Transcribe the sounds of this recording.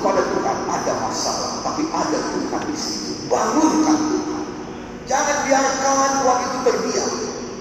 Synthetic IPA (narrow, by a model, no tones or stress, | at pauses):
padat̪uɾa̰nadama̰sa̰la̰ht̪apiʔadat̪uka̰ndisit̪ubaŋʊnkantuka̰n | d͡ʒaŋanbiaɾsəkalankuwaŋit̪ubərbia